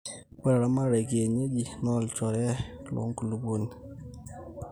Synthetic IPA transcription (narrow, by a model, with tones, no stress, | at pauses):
k͡pɛ˦˨ɾa˨˦ma˦ɾɛ˨ɡe˨ɲe˦d͡ʒi˨nɔ˦˨lt͡ʃɔ˨ɾɛ˦lɔ̰˨˦ŋ˦ku˨lu˨bo˦˨n